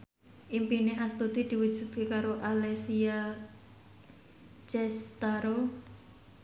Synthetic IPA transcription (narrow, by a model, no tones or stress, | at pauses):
ʔimpineast̪ud̪̥id̪̥i̤wu̥ʒ̥ṳt̪̚kekaɾoʔalesia | t͡ʃɛst̪aɾo